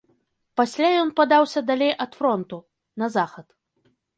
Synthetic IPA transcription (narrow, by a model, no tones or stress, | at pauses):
pasʲlʲajɔnpad̪awsʲɐd̪alʲejʔɐt̪fɾɔnt̪u | nɐzaxɐt̪